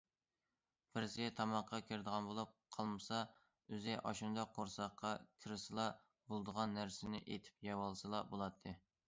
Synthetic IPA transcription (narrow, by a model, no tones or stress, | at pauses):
pɪɾsɪɡʲɛt̪ʰɑmɑqʰːɑkʲʰɪɾd̪əʁɑnbolˠup̚qʰɑlˠmɨsɑ | øzɪʔɑʃund̪ɑqʰːoɾsɑqːɑkʲʰɪɾɪsɨlˠɑ | bolˠd̪əʁɑnːæɾsɪnɪ̰ʔet̪ʰɪ̥p̚jɑwɑlˠsɨlˠɑbolˠɑt̪ʰːɨ